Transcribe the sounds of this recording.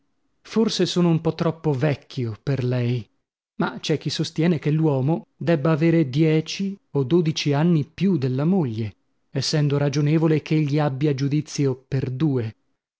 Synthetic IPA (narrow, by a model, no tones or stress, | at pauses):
forsesoːnoumpɔt̪ːɾɔpːovɛkʰːjoperlɛj | mat͡ʃɛk̟ːisːost̪jɛːnekelːwɔːmod̪ɛbːaːveːɾed̪jɛːt͡ʃiod̪ːoːd̪it͡ʃianːipjud̪elːamoʎːe | ɛsːɛnd̪oɾad͡ʒoneːvolek̟eʎːiabːjad͡ʒud̪it̪sːjoperd̪uːe